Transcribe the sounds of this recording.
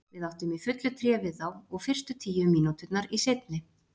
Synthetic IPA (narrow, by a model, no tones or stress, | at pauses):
vɪðaht̪ʏmifʏt̪lʏt̪ʰɾjɛːvɪðθawɔɣfɪr̥st̪ʏt̪ʰiːjʏmiːnut̪ʏt̪naɾisejt̪nɪ